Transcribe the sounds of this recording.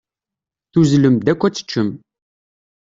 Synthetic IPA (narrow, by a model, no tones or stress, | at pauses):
θuzləmd̪ækʷːæt͡sːə̥t͡ʃːəm